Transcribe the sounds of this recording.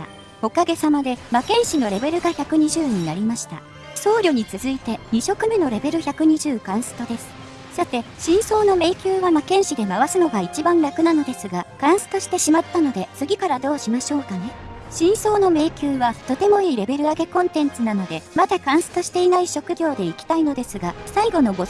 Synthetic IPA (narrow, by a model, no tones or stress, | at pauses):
o̞kaɡe̞samad̪e̞makẽ̞ɰ̃ɕino̞ɾe̞be̞ɾɯ̟ɡaçakɯ̟ɲ̟iʑɨːɲ̟inaɾʲimaɕi̥t̪a̰ | so̞ːɾʲo̞ɲ̟it͡sɨzɨit̪e̞ɲ̟iɕo̞kɯ̟meno̞ɾe̞be̞ɾɯ̟çʲakɯ̟ɲ̟iʑɨːkãɰ̃sɨ̥t̪o̞d̪e̞sɨ̥ | sat̪e̞ɕĩɰ̃so̞ːno̞me̞ːkʲɨːβamakẽ̞ɰ̃ɕid̪e̞maβasɨno̞ɡait͡ɕibãnɾakɯ̟nano̞d̪e̞sɨɡakãɰ̃sɨ̥t̪o̞ɕi̥t̪e̞ɕimat̪ːano̞d̪e̞sɨɡʲikaɾad̪o̞ːɕimaɕo̞ːkane̞ɕĩɰ̃so̞ːno̞me̞ːkʲɨːβat̪o̞t̪e̞mo̞iːɾe̞be̞ɾɯ̟aɡe̞kõ̞nt̪ẽ̞nt͡sɨnano̞d̪e̞mad̪akãɰ̃sɨ̥t̪o̞ɕi̥t̪e̞inaiɕo̞kɯ̟ɡʲo̞ːd̪e̞ikʲi̥t̪aino̞d̪e̞sɨɡasaiɡo̞no̞ɡo̞